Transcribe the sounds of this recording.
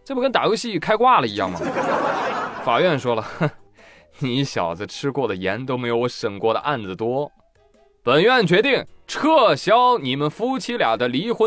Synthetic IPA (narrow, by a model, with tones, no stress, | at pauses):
ʈ͡ʂɤ˥˩mə˧kə˥nt̪a˨˩ju˥ɕi˥˧y˥˩kʰa˥ɪkwa˥˩lə˩i˧˥jɑ̰˥˩ŋmɐ˩ | fa˨˩ɥɛ˥˩nʂwɔ˥lə˨ | ni˧˥ɕjɑ̰˨˩ʊd͡z̩˦ʈ͡ʂʰɻ̩˥kwɔ˥˩d̪ə˩jɛ̰˧˥nt̪o˥ʊme˧˥ɪjo˧ʊ˥˧ʂə˨˩ŋkwɔ˥˩d̪ə̰˩ʔa˥˩nd͡zɹ̩˨˩t̪wɔ˥ | pə˨˩nɥɛ˥˩nt͡ɕɥɛ˧˥t̪i˥˩ŋʈ͡ʂʰɤ˥˩ɕjɑ˥ʊni˨˩mə˦nfu˥t͡ɕʰi˥ljɑ̰˨˩d̪ə˦li˧˥xwə˧˥